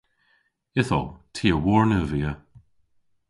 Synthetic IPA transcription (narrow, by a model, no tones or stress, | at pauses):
ɪθɔ̰tʰiːəwɔɹnəviːə